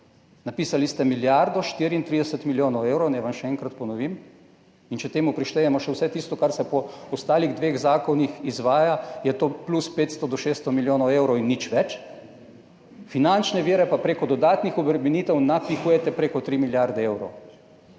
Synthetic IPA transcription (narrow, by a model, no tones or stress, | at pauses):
napiːsalist̪ɛmiljaɾd̪ɔʃt̪iːɾiːnt̪ɾiːd̪ɛsət̪miljoːnɔweːwɾɔwnɛjʋamʃɛɛŋkɾat̪pɔnɔʋiːm | int͡ʃɛt̪eːmupɾiʃt̪ejɛmɔʃɛwsɛt̪ist̪ɔkaɾsɛpɔɔst̪aːliɣd̪ʋeːɣzaːkɔnixizʋaːjajɛt̪oːpluspeːt̪st̪ɔd̪ɔʃeːst̪ɔmiljoːnɔwewɾɔwinːit͡ʃʋɛt͡ʃ | finant͡ʃnɛʋiːɾɛpapɾeːkɔd̪ɔd̪aːt̪nixɔbɾɛminiːt̪ɛwnapixuːjɛt̪ɛpɾeːkɔt̪ɾiːmiljaɾd̪ɛewɾɔw